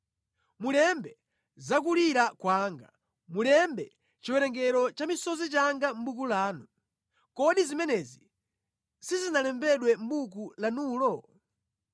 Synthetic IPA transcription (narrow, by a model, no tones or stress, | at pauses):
mulɛmbɛ | zak̬uliɾakwaŋɡa | mulɛmbɛ | t͡ʃiwɛɾɛŋɡɛɾɔt͡ʃamisɔzit͡ʃaŋɡam̩bukulaːnu | kɔɗizimɛnɛzi | sizinalɛmbɛɗwɛm̩buk̬ulanuːlɔ